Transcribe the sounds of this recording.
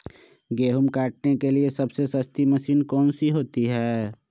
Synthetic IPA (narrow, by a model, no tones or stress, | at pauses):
ɡeːɦumkaːʈ̚nekeliesɐbsesəst̪iməsiːnkɔːnsiɦoːt̪iɦɛː